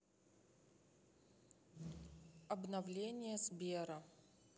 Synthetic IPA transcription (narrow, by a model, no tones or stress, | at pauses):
ɐbnɐvlʲenʲɪjəzbʲeɾɐ